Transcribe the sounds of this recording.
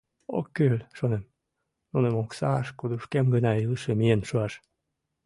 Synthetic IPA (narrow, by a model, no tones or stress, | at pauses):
o̰kːylʃonem | nunemoksɑʃkud̪uʃkemɡənɑilˠʃemienʃuɑʃ